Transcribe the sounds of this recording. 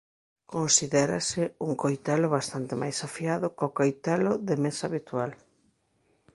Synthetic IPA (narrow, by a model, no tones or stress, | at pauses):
konsiðɛɾa̰sɪuŋkojt̪ɛlʊβast̪ant̪ɪmʔajsafiaðʊkokojt̪ɛlʊðɪmesaβit̪ual